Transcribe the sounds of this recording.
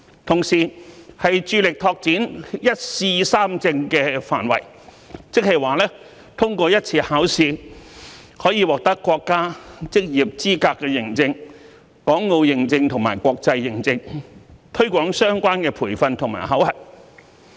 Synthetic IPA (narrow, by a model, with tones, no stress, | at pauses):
t̪ʰʊ˨˩ŋsiː˨˩hɐ˨jt͡ʃyː˨˧lɪ˨k̚t̪ʰɔː˧k̚t͡siː˨˥njɐ˥t̚siː˧saː˥mt͡sɪ˧ŋkɛː˧fa̰ː˨˩nwɐ̰˨˩j | t͡sɪ˥k̚hɐ˨jwaː˨lɛː˥ | t̪ʰʊ˥ŋkʷɔː˧jɐ˥t̚t͡sʰiː˧haː˨˥wsiː˧ | hɔː˨˥jiː˨˧wɔː˨k̚t̪ɐ˥kːwɔː˧kːaː˥t͡sɪ˥k̚jiː˨p̚t͡siː˥kaː˧kːɛː˧jɪ˨˩ŋt͡sɪ˧ŋ | kɔː˨˥ŋːo˨˧wjɪ˨ŋt͡sɪ˧ŋt̪ʰʊ˨˩ŋma̰ː˨˩jkʷɔː˧k̚t͡sɐ˧jːɪ˨˩ŋt͡sɪ˧ŋt̪ʰɵ˥ɥkʷɔː˨˥ŋsœː˥ŋkʷaː˥nkɛː˧pʰuː˨˩jfɐ˧nt̪ʰʊ˨˩ŋma̰ː˨˩jɦɐ˨˥whɐ˨˩t̚